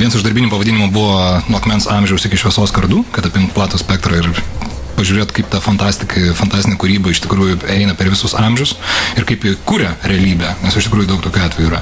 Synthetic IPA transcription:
ʋʲiɛnsɪʒd̪ɐɾʲbiːnʲɪmʊpɐʋɐdʲinʲɪmʊbʊʋoːnʊɐkmʲɛnsɑmʲʒʲɛʊsɪkʲɪʃʋʲiɛsoːskɐɾd̪uːkɐt̪ɐpʲɪmt̪plˠɑːt̪oːsʲpʲɛk̚t̪ɾɐɪr | pɐʒʲuːɾʲeːt̪kɐɪpt̪ɑfɐnt̪ɑːsʲt̪ʲɪkɐfɐnt̪ɑːsʲt̪ʲɪnʲɪkʊɾʲiːbɐɪʃt̪ʲɪkɾuːjʊɛɪnɐpʲɛɾʋʲɪsʊsɐmʲʒʲʊsɪɾkɐɪpɪkuːɾʲɛɾʲɛɐlʲiːbʲɛnʲɛsɪʃt̪ʲɪkɾuːjʊd̪ɐʊkt̪oːkʲuːɑːtʲʋʲɛjuːɾɐ

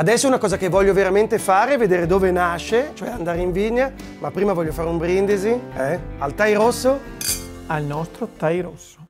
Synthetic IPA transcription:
ad̪ɛsːounakɔːzakevːɔʎːoveɾament̪efaːɾeɛvːed̪eːɾed̪oːvenaʃet͡ʃoɛand̪aːɾeiɱviɲːa | mapːɾiːmavɔʎːofaːɾeumbɾind̪eziɛalt̪ajɾosːo | alnɔst̪ɾot̪ajɾosːo̥

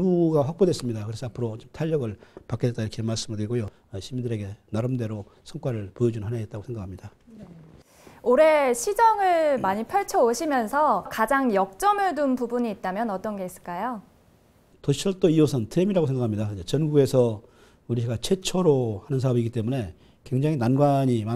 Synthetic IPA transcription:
uɡaɸwak̚p͈odwe̞s͈ɯmɲidakɯɾe̞sʰʌapʰɯɾot͡ɕomtʰaʎːʌɡɯɭpak͈ʰedet͈aiʌkʰemaɭs͈ɯmɯɭdɯɾiɡojo | ɕʰimindɯɾe̞ɡe̞naɾɯmde̞ɾo | sʰʌŋk͈waɾɯɭpojed͡ʑunnɦanaet͈̚aɡosʰe̞ŋɡakʰamɲidan | oɾe̞ɕʰid͡ʑʌŋɯɭmaɲipʰjʌɭt͡ɕʰʌoɕʰimjʌnsʰʌkad͡ʑaŋjʌk̚t͡ɕ͈ʌmɯɭtunpubuɲiːt̚t͈amjʌnʌt͈ʌnɡe̞is͈ɯ̥ɭk͈ajo | toɕʰʌɭt͈oiosʰɯntʰɯemiɾaɡosʰeŋɡakʰamɲidaid͡ʑet͡ɕʌnɡue̞sʰʌ | uɾiɡat͡ɕʰe̞t͡ɕʰoɾohanɯns̬ʰaʌbiɡit͈e̞mune̞ | kwe̞ŋd͡ʑaŋinanɡwaɲima

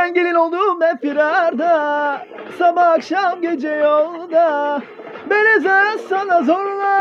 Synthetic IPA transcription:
ɛnɟilinolˠd̪umɛfiɾaɾd̪a | sabaːkʃamɟed͡ʒɛjolˠd̪a | belezasanazoɾlˠa

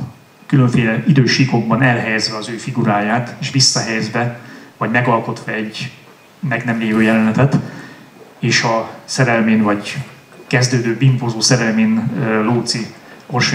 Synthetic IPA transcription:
kyløɱfeːlɛid̪øːʃiko̞ɡ̚bɒnɛlɦɛjɛzʋɛɒzøːfiɡuɾaːjaːt̪eːʃʋisːɒɦɛjɛzvɛvɒɟmɛɡɒlko̞t̪ʋɒɛɟ | mɛɡnɛmleːvøːjɛlɛnɛt̪ɛt̪ | eːʃɒsɛɾɛlmeːnvɒɟ | kɛzd̪øːd̪øːbimpozoːsɛɾɛlmeːnloːt̪si | o̞rʃ

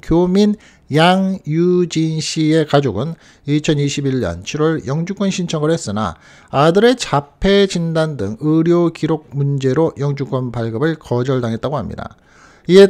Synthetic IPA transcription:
kjomin | jaŋjud͡ʑinɕʰie̞kad͡ʑoɡɯn | it͡ɕʰʌniɕʰibiʎːʌ̰nt͡ɕʰiɾwʌɭjʌŋd͡ʑuk͈ʌnɕʰint͡ɕʰʌŋɡɯɾɦes͈ɯna̰ | adɯɾe̞t͡ɕapʰe̞d͡ʑindandɯ̰ŋɯɾjokiɾoɡ̚mund͡ʑe̞ɾojʌŋd͡ʑuk͈wʌnpaɭɡɯbɯɭkʌd͡ʑʌɭdaŋɦe̞t̚t͈aɡoɦamɲḭda̰ | ie

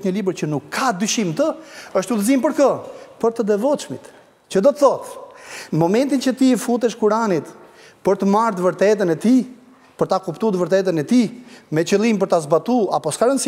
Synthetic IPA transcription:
ɲəlibəɾt͡ɕənukʰːad̪yʃimt̪əəʃt̪uðəzimpəɾkəpəɾt̪əd̪ɛvɔt͡ʃmit̪ | t͡ɕəd̪ɔt̪əθɔt̪ | mɔmɛnt̪int͡ʃət̪ifut̪ɛʃkuɾanit̪ | pəɾt̪əmaɾd̪vəɾt̪ɛt̪ənɛt̪i | pəɾt̪akupt̪ud̪vəɾt̪ɛt̪ənɛt̪imɛt͡ɕəlˠimp̬əɾt̪azbat̪uapɔskaɾəns

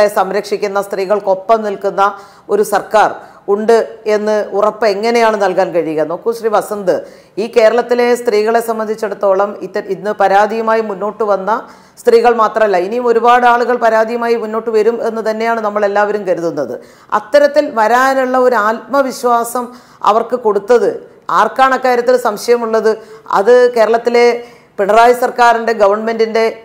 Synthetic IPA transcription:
e̞sɐmɾɐkʂikʲːunːɐst̪riːɣɐɭko̞pːɐmnilkunːɐ | o̞ɾusɐrkaːr | uɳɖɨe̞nːɨurɐpːɨe̞ŋːɐne̞jaːɳɨnɐlkaːnkɐɻikːɐno̞ːkːumɕriːʋɐsɐnd̪ɨ | iːke̞ːɾɐɭɐt̪ːile̞st̪riːɣɐɭe̞sɐmːɐnd̪ʱit͡ɕːeɽut̪ːo̞ːɭɐmit̪ːɐinːɨpɐɾaːd̪ijɐmaːjimunːo̞ːʈːɨʋɐnːɐ | st̪riːɣɐɭmaːt̪rɐmɐlːɐinijumo̞ɾubaːɽɨaːɭuɣɐɭpɐɾaːd̪ʱijɐmaːjimunːo̞ːʈːɨʋɐɾume̞nːɨt̪ɐnːe̞jaːɳɨnɐmːɐɭe̞lːaːʋɐɾumkɐɾuðunːɐðɨ̰ | ɐ̰t̪ːɐɾɐt̪ːilʋɐɾaːnuɭːɐo̞ɾuaːt̪̚mɐʋiɕʋaːsɐm | ɐ̰ʋɐrkɨko̞ɽut̪ːɐðɨ | aːrkaːɳɐkːaːɾjɐt̪ːiɾsɐmɕɐjɐmuɭːɐðɨɐ̰ðɨke̞ːɾɐɭɐt̪ːile̞ | piɳɐraːjɐsɐrkaːɾinde̞ɡɐʋɐrɳme̞ndinde̞

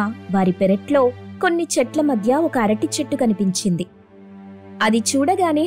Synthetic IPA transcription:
ʋaːɾipeɾɐʈlo̞ːko̞nːit͡ʃɛʈlɐmɐd̪ʱjɐɔkɐɐɾɐʈit͡ʃeʈːukɐnipiɲt͡ʃind̪i | ɐd̪it͡ʃuːɽɐɡaːneː

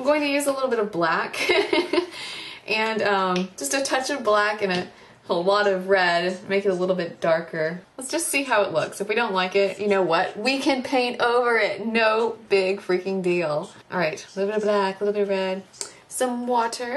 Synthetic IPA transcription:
ãmɡoʊɪ̃ŋtɨjʉzəlɪɾl̩ˠbɪɾʌvblæk | ʔɨ̃nʌ̃md̥ʒ̥ʌstɨtʰʌt͡ʃʌvblækɨ̃ñɨ | əlɔɾʌvɹɛd̚meɪkɨɾəlɪɾl̩ˠbɪt̚d̥ɑɹkʰə˞lətsd̥ʒ̥ʌstsiɦaʊəʔˡlʊ̰ksɨfwiɾõʊ̃nʔlaɪkɪt̚jʔɨnoʊwʌt̚wikʰɨ̃npʰẽɪ̃ntoʊvə˞ɪt̚ⁿnoʊbɪɡ̥fɹikɪ̃ŋdilˠʔɑ̰lˠɹaɪt̚lɪɾl̩ˠbɪɾblæklɪɾl̩ˠbɪɾʌvɹɛd̥̚ | sʌ̃mwɔɾə˞

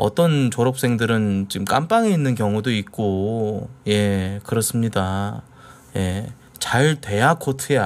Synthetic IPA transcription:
ʌ̰t͈ʌnt͡ɕoɾʌp̚s͈e̞ŋdɯɾɯnt͡ɕimk͈amp͈aŋe̞inːɯnkjʌŋudoik̚k͈o | je̞kɯɾʌs͈ɯmɲida | je̞ | t͡ɕaɭtwe̞jakʰotʰeja

